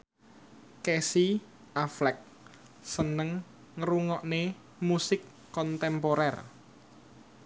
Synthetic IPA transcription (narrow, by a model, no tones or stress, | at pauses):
kɛsi | aflɛk̚ | sənəŋː | əɾuŋɔʔne | musɪkː | ɔnt̪ɛmpoɾɛr